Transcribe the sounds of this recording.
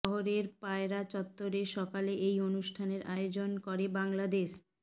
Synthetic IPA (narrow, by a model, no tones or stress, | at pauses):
ɔɦoɾeɾpaeɾat͡ɕɔt̪ːoɾeʃɔkaleʔejonuʃʈʰaneɾaeod͡ʑonkɔɾebaŋlad̪eʃ